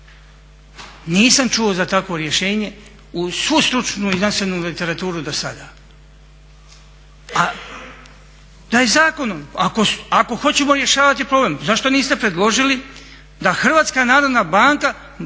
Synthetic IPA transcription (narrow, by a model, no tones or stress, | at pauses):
niːsamt͡ʃuo̞zat̪akʋo̞ɾje̞ʃe̞ːɲe̞ | usʋust̪ɾut͡ʃnuizansenulit̪e̞ɾat̪uːɾud̪osa̰d̪aː | a | d̪̥ajezaːko̞nomako̞ako̞xo̞t͡ɕe̞mo̞ɾje̞ʃaːʋat̪ipɾo̞blemzaʃt̪o̞niːst̪e̞pɾe̞d̪lˠo̞ʒili | d̪axr̩ʋaːt̪skaːnaːɾo̞d̪naːbaːŋka